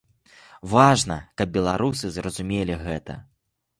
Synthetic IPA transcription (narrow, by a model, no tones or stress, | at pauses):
vaʐnɐkɐb̚bʲɛlˠaɾusɨzrɐzumʲelʲiɣɛt̪ɐ̰